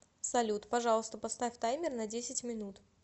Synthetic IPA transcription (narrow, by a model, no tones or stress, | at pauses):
sɐlʲut̪pɐʐɑlˠəst̪əpɐst̪afʲt̪ajmʲɪrnɐdʲesʲɪtʲmʲɪnut̪